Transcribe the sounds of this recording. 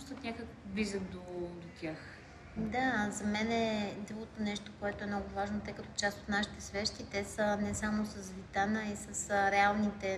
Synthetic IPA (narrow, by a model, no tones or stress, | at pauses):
st̪ət̪nʲakəkbizənd̪od̪ot̪ʲjax | d̪azɐmɛnɛd̪ɾuɡot̪onɛʃt̪okoɛt̪oɛmnɔɡʊvaʒnot̪ɛjkɐt̪ɔt͡ʃast̪ot̪naʃi̥t̪ɛsvɛʃt̪it̪ɛsənɛsamosəsvit̪anəisəsɾɛalˠnit̪ɛ